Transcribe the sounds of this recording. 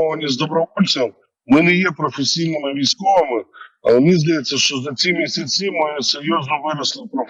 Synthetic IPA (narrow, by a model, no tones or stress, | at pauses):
ɔvɐnʲɪzd̪ɔbɾɐvɔlʲɛm | mɪnɛjepɾɔfɪsʲijnɪmɪʋʲijskɔvɐmɪɐ̰lˠmnʲizd̪ɐjɛt̪sʲːɐʂt̪ozɐt͡s̪ʲimʲɪsʲɐt͡sʲimɪsɪɾʲjoznɔvɪɾɐslˠɪpɾɔ